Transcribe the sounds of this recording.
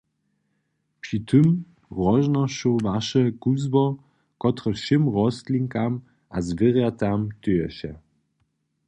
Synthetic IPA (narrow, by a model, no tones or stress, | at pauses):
pʂit̪ʰɨm | ʁɔʒnɔʃɔvaʃɛkuzbɔ | kɔt̪ʁɛʃɪmʁɔst̪liŋkam | ʔazvɪʁjat̪amt̪ɨjɛɕɛ